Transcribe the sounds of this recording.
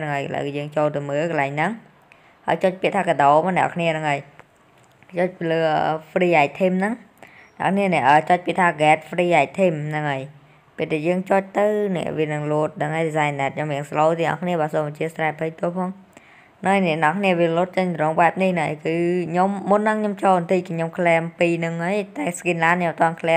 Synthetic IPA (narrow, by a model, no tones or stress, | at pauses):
nɨŋəjkəla̰jkɑːjəːŋt͡ɕoːlt̪ɨwməːlkəlaɛŋnɨŋ | ha̰əjt͡ɕoːc̚piəʔt̪ʰaːkəɗ̪oːmanɛ̆əʔkʰniənɨŋʔəj | t͡ɕoːc̚piːləːəfriːʔaːk̚t̪ʰimnɨŋ | nɛ̰̆ə̰ʔkʰniənɛ̆əʔəːt͡ɕoc̚piət̪ʰaːɡɛːt̪̚friːʔaːk̚t̪ʰimnɨŋʔəj | peət̪ʰːɛːjəːŋt͡ɕoːc̚t̪ɨwnɛ̰̆əʔʋiənɨŋloət̪̚nɨŋʔəjɗisaːnːɛt̪̚ɲomiəŋsloːt̪iəŋʔɑ̰hkʰniəɓaːsoːməɲt͡ɕiəst̪raɛpʰəjt̪uəpʰɑːŋ | nɨŋəjnɛ̆əʔnəʔɑkʰniəʋiəluːt̪̚t͡ɕəɲt̪ɾoːŋɓaɛp̚nihnɨŋʔə̰jkɨːɲomːunːɨŋɲomt͡ɕoːnt̪ʰikiɲomkʰlɛːəmpiːnɨŋəjt̪aɛskinlaːnɲomət̪ŏənkʰlɛə